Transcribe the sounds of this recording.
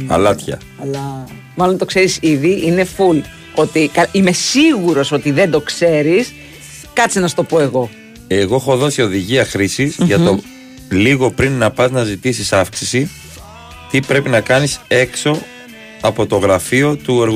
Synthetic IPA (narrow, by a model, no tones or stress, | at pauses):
ɐ̰lɐt̪çɐ̰ | ɐlɐ | mɐlonɐt̪o̞kse̞ɾisiðiʔine̞ful | o̞t̪ikɐime̞siɣuɾo̞sot̪iðe̞nd̪o̞kse̞ɾis | kɐt͡sinɐst̪o̞po̞e̞ɣo̞ | e̞ɣo̞exo̞ðo̞sio̞ðiʝiɐxɾisisʝɐt̪o | liɣo̞pɾinːɐpɐznɐzit̪isisɐfksi̥si | t̪ipɾe̞pinɐkɐnise̞kso̞ | ɐpo̞t̪o̞ɣɾɐfio̞t̪ueɾɣ